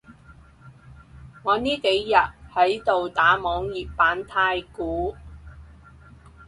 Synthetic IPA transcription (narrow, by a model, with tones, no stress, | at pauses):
ŋɔː˨˧niː˥ke˨˥jːɐ˨t̚hɐ˨˥jt̪o˨wt̪aː˨˥mɔː˨˧ŋjiː˨ppːaː˨˥nt̪ʰaː˧jkuː˨˥